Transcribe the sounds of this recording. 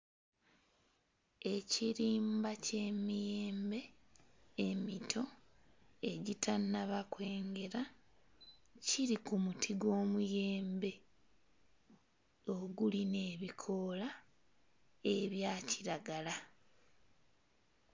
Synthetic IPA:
e̞ciɾiːmbace̞mijeːmbe̞ː | mitʰo̞ | e̞ɟitʰanːaβakwe̞ːŋɡe̞ɾa | ciɾikumutʰiɡo̞ːmuje̞ːmbe̞ | o̞ɡuline̞ːβikʰo̞la | eβjaːciɾaɡala

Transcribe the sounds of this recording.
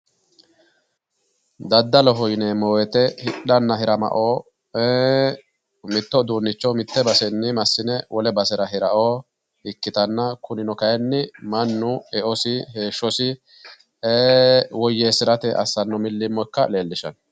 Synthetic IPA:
d̪ɐd̪ːɐlɔɦɔjnemoːwɛt̪ɛhɪᶑɐnːɐɦɪɾɐmɐ̰ʔoː | e | mɪt̪ːɔd̪uːnːɪt͡ʃːɔmɪt̪ːɛbɐsɛnːɪmɐsːɪnɛwʔɔlɛbɐsɛɾɐɦɪɾɐʔoː | ɪkːɪt̪ɐnːɐkʊnɪnɔkɐjɛnːɪmɐnːʊɛʔɔsɪɦe̞ːʃːɔsɪ | eːwɔjːeːsɪɾɐt̪ɛʔɐ̰sːɐnːɔmɪlːɪmːɔkːɐle̞ːlːɪʃɐ̰n

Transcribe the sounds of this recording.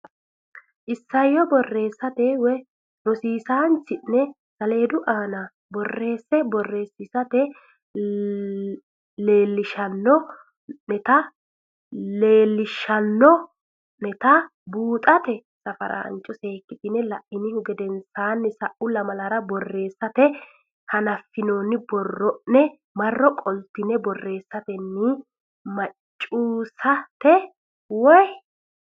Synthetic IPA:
ʔɪsːɐjːɔbɔrːe̞ːsːɐt̪ɛwɛ | nɔsiːsaːnt͡ʃːɪnːɛ | sɐle̞ːd̪ʊʔaːnɐ | bɔrːe̞ːsːɛbɔrːe̞ːsːɪsɐt̪ɛ | le̞ːlːɪʃɐnːɔ | nɛt̪ɐ | leːlːɪʃɐnːɔ | nɛt̪ɐ | buːt̪ʼɐt̪ɛ | sɐfɐ̰ɾʔa̰nt͡ʃʼːɔse̞ːkːɪt̪ɪnɛlɐʔɪnɪhʊɡɛd̪ɛnsaːnːɪsɐʔʊlɐmɐlɐɾɐbɔrːe̞ːsːɐt̪ɛ | hɐnɐfːɪnoːnːɪbɔrːɔʔnɛ | mɐrːɔkʼɔlt̪ːɪnɛbɔrːe̞ːsːɐt̪ɛnːɪ | mɐt͡ʃʼːuːsɐt̪ɛ | wɔj

